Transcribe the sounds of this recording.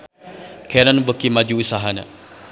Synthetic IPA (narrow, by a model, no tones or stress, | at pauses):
kʰenanbəkimad͡ʒuːsaɦana̰